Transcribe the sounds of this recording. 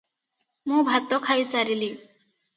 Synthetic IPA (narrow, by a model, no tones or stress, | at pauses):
mũbʱat̪ɔkʰajsaɾili